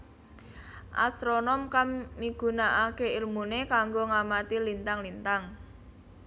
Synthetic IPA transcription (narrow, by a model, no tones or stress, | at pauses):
ʔa̰st̪ɾonɔmkammiɡ̥ṳnaʔakeilmunekaŋɡoŋamat̪ilint̪aŋlint̪aŋ